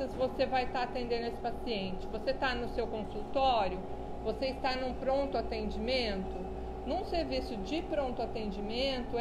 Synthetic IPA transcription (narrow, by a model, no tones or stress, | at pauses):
ɐsvosevajt̪aat̪ẽnd̪ẽnd̪ʊesɪ̥pasiẽnt͡ʃɪ̥voset̪anʊsewkõsut̪ɔɾjʊ | voseɪst̪anũpɾõnt̪ʊat̪ẽnd͡ʒimẽnt̪ʊ | nũseɾvisʊd͡ʒɪpɾõnt̪ʊat̪ẽnd͡ʒimẽnt̪ʊ